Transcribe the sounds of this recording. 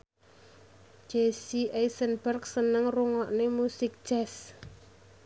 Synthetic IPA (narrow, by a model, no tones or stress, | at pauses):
d͡ʒ̥esiʔejsənbərk̚sənəŋruŋɔʔnemusɪk̚d̥ʒ̥ɛs